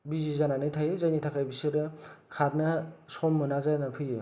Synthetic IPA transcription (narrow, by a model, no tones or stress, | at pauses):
bizizananɯjtʰajɯzajnitʰakʰajbisɯɾɯkʰaɾnɐsɔmːɯnazajnapʰɯjɯ